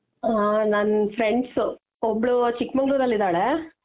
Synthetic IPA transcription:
ɦanɐnfʰɾeɳɖsu | obɭut͡ʃikmɐŋɡɾuːd̪ɐlːid̪aːɭe

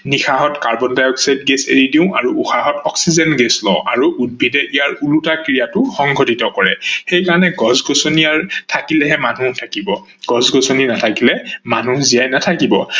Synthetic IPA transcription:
nixaɦɔtkaɹbɔndajɔksajdɡesḛɹidiʊ̃ʔaɹuṵxaɦɔtɔksizɛnɡeslɔ̰ʊ̃ʔa̰ɹuʔud̚bʱidɛʔijaɹulutakɹijatʊxɔŋɡʱotitɔkɔɹɛxejkaɹɔnɛɡɔzɡosonijaɹtʰakilɛɦɛmanutʰakibɔ | ɡ̥ɔzɡosoninatʰakilɛmanuzijajnatʰakibɔ̰

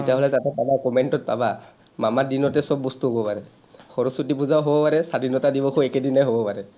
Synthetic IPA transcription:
itiaɦɔlɛtatɛpabakɔmɛntɔt̚paba | mamadinɔtɛsɔbːɔstuɦobɔpaɹɛ | xɔɹɔsutipuzawɦobɔpaɹɛsadinɔtadibɔkʰɔɛkedinajɦobɔpaɹɛ

